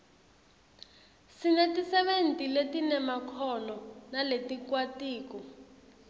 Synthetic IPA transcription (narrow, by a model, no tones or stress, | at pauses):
sinɛtisɛɓentʼiletinɛmakʰɔnɔnaletikwatiːkɔ